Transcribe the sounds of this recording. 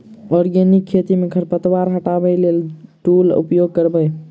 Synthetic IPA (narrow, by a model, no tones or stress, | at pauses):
ɔɾɡenikʰːet̪imeɡʱəɾpət̪waɾɦəʈabəlelʈulṵpjoɡ̚kəɾbəj